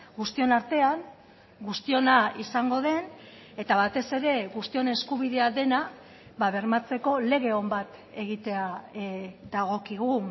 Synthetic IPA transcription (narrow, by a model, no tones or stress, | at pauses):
ɡust̪io̞naɾt̪e̞aŋ | ɡust̪io̞naisaŋɡo̞ðe̞n | e̞t̪aβat̪e̞se̞ɾe̞ɣust̪io̞ne̞skuβ̞iðe̞aðe̞na | βaβ̞e̞ɾmat͡se̞ko̞le̞ɣ̞e̞o̞mbat̪e̞ɣ̞it̪e̞a | d̪aɣ̞o̞kiɣu